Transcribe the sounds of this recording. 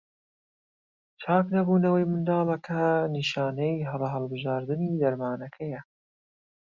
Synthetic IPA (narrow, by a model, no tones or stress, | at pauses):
t͡ʃʰaːknɐbuːnɐwɐjmɨnd̪ɑːlˠɐkʰɐniʃaːnejɦɐlɐɦɐlˠbɨʒaːɾd̪ɨniːd̪ɐɾmaːnɐkʰɐjɐ